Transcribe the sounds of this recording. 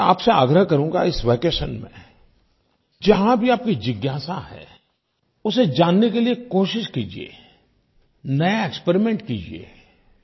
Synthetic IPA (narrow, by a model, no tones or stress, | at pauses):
a̰ːpsea̰ːɡɾəɦkɐɾũːɡa̰ɪsʋeːkeːʃənmḛ̃ | d͡ʒɐɦãbʱiaːp̚kid͡ʒɪɡjaːsahɛ̰ː | ʊsed͡ʒaːnːekeliekoːʃɪʃkiːd͡ʒḭḛː | nɐjaekspeɾimẽɳʈkiːd͡ʒiḛː